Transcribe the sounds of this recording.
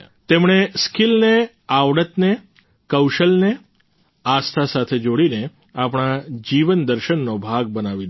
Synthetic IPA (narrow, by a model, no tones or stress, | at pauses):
t̪emɳ̃eskilne | aʋɽət̪ne | kəwʃəlne | ast̪ʰasat̪ʰed͡ʒoɽine | apɽ̃ad͡ʒiʋənd̪əɾʃənːobʱaɡ̚bənaʋi